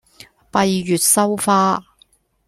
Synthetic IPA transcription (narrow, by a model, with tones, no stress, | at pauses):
pɐ˧jjyː˨t̚sɐ˥wfaː˥